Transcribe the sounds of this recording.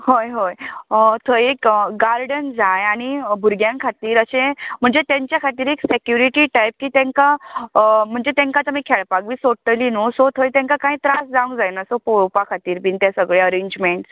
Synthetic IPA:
ɦojɦojt̪ʰəjekɡaɾɖənd͡zajaɽ̃ibʱuɾɡjãŋkʰat̪iːɾəɕẽm̤əɳd͡zet̪jãɲt͡ɕjakʰat̪iːɾeksekjuɾiʈiːʈajp̚kiːt̪ɛ̃ŋka | m̤əɳd͡zet̪ẽŋkat͡samiːkʰɛɭpakʋiːsoʈəlinosot̪ʰəjt̪ɛ̃ŋkakaɦĩt̪ɾasd͡zaʋũŋkd͡zajnasopoɭpakʰat̪iːɾbint̪jasəɡɭeəɾeɲd͡ʑmeɳʈs

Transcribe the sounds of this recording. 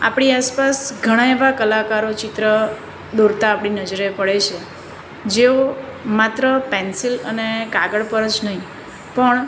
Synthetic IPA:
a̰pɽiaspasɡʱəɽ̃aeʋakəlakaɾot͡ʃɪt̪ɾə | d̪uɾt̪aːpɽinəd͡ʒɾepəɽet͡ʃʰe | d͡ʒeomat̪ɾəpɛnsilənekaɡəɽpəɾət͡ʃnəɦĩ | pəɳ

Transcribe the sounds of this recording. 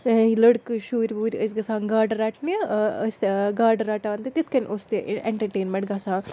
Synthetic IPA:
ilɐɽkɨʃuːɾʲbuːɾʲiəsɡɐsaːŋɡaːɖɐɾaːʈnist̪ɡaːɾɖɐɾaːʈaɐnt̪et̪it̪kɐnʔost̪eʔʔeɳʈɐɾʈeːnmɐɳʈɡɐsãː

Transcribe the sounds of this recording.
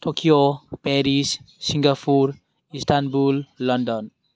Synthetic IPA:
ʈokijopɛɾisː | iŋɡapʰuɾ | isʈ̪ʰanbulːʌndɔn

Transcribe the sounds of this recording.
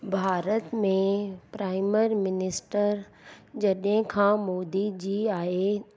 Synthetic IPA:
bʱaːɾət̪mẽpɾaːɪməɾmɪnɪsʈəɾ | d͡ʑɐɗɦɪ̃kʰãːmoːd̪id͡ʑiːaːɦe

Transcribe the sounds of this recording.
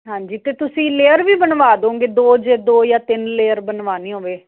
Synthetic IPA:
ɦãːɲd͡ʒiːt̪eːt̪ʊsĩːleːəɾʋiːbənʋaːd̪õːɡeːd̪oːd͡ʒeːd̪oːjaːt̪ɪnleːəɾbənʋaːniːɦõːʋeː

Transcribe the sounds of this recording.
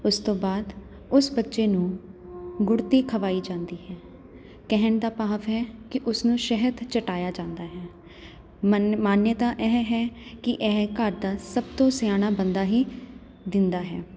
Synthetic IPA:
ʊst̪õːbaːd̪ | ʊsbətːʃeːnũː | ɡʊɽt̪iːkʰəʋaːiːd͡ʒãːnd̪iːɦɛː | kɛɦənd̪aːpaːʋɦɛːkɪʔʊsnũːʃɛɦət̪t͡ʃəʈaːjaːd͡ʒãːnd̪aːɦɛː | maːnjət̪aːʔɛːɦɦɛːkɪʔɛːkəɾd̪aːsəb̚t̪õːsɪjaːñaːbənd̪aːɦiː | d̪ɪnd̪aːɦɛ̰ː

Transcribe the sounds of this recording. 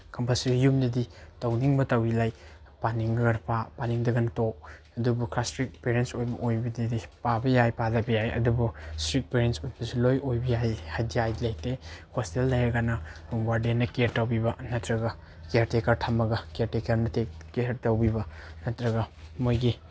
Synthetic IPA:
kʰɐmpɐsiɾjumdɐditɐwniŋbɐtɐwilaj | paniŋɐɡɐnɐpapaniŋdɐɡɐnɐtok̚ | ɐdubuklastɾik̚peɾensojbɐʔojbɐdidipabɐjajpazɐbɐjajɐ̰dubustɾik̚peɾensojbɐsilojojbɐjajhajdiajlajtehostelːɐjɐɡanɐɾuŋɡwaɾdenɐkeɾtɐwbibɐnɐtɾɐɡɐ | kejaɾtekɐɾtʰɐmɐɡɐkeaɾtekɐɾnɐtekkeɾtɐwbibɐnɐtɾɐɡɐmojɡi

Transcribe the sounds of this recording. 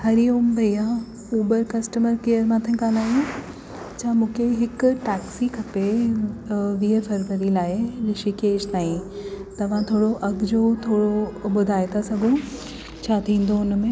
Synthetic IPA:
hɐɾioːmbʱɐija | oːbəɾkɐsʈəməɾkejəɾmãːt̪ʰẽkaːlaːjũ | t͡ɕʰaːmũːkʰeɦɪkʈɛːksikʰɐpe | ʋiɦefɐɾʋəɾilaːɪlɪʃikeːd͡ʑt̪aːĩt̪ɐʋ̤ãt̪ʰoːɽoʔɐɡd͡ʑot̪ʰoːɽoɓʊd̪ʱaːɪt̪ʰasɐɡʱũ | t͡ɕʰaːt̪ʰĩːn̆d̪oʊnmẽ

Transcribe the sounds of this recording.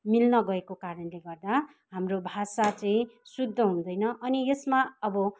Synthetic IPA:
milnʌɡʌekokaɾʌnleɡʌrd̪a | ɦamrobʱasat͡sʌĩsud̪ʱːʌɦũnd̪ʌjnʌʔʌnijesmaʌbʌ

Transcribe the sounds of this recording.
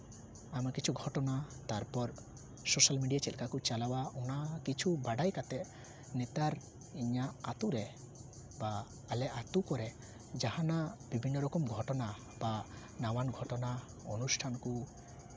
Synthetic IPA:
amkit͡ʃʰuɡʱɔʈɔnat̪aɾpɔɾ | sosalmiɖijat͡ʃɛlkakut͡ʃalawaɔnakit͡ʃʰubaɖajkat̪ɛʔ | nɛt̪aɾ | iɲaat̪uɾɛ | baː | lɛʔat̪ukɔɾɛ | d͡ʒahãnabibʱinːɔɾɔkɔmɡʱɔʈɔna | ba | nawanɡʱɔʈɔna | ɔnusʈʰanku

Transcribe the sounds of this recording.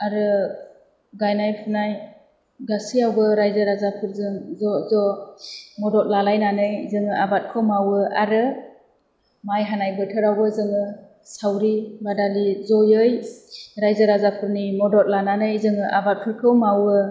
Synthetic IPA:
aɾɯ | ɡajnajpʰunaj | ɡasiawbɯɾajzɯɾazapʰɯɾzɯŋzɔzɔ | mɔdɔt̚lalajnanɯjzɯŋɯabat̚kʰɯwmawɯaɾɯ | majɦanajbɯtʰɯɾawbɯzɯŋɯ | sawɾibadalizɔjɯjɾajzaɾazapʰɯɾnimɔdɔt̚lananɯjzɯŋɯʔabat̚pʰɯɾkʰɯwmawɯ

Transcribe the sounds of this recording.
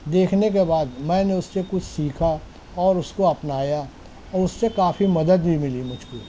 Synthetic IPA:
d̪eːkʰnek̬ebaːd̪mɛ̃ːneʊssekʊt͡ʃʰsiːkʰa | ɔːɾʊskoɐpnaːja | ɔːɾʊsːekaːfimɐd̪əd̪bʱimɪlimʊd͡ʒʱko̰

